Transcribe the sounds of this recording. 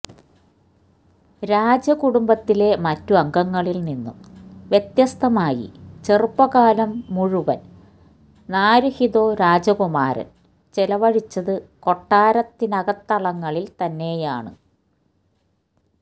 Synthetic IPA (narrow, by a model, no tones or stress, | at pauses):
ɾaːd͡ʑɐkuɽumbɐt̪ːile̞mɐtːuɐŋɡɐŋːɐɭilninːumʋjet̪jɐst̪ʰɐmaːjḭt͡ɕerpːɐɣaːlɐmːuɻuʋɐn | naːɾuhiðo̞ːɾaːd͡ʑɐkumaːɾɐ̰n | t͡ɕelɐʋɐɻit͡ɕːɐðɨko̞ʈːaːɾɐt̪ːinɐɣɐt̪ːɐɭɐŋːɐɭilt̪ɐnːe̞ːjaːɳɨ̰